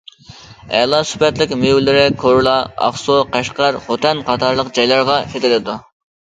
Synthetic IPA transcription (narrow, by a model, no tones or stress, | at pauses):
ɛ̰lˠɑsy̥pɛt̪lɪkʲmewlɪɾɪkʰoɾlˠɑɑ̰χsoqæʃqɑɾχot̪ʰɛnqʰɑt̪ʰɑɾlˠəqd͡ʒɑjlˠɑɾʁɑkʲʰet̪ɪlɪd̪u